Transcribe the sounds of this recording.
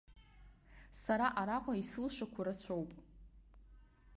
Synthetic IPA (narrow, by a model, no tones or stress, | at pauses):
saɾaʔaɾaqʷʼaisɨlʃakʷʰaɾat͡ɕʷʰowpʼ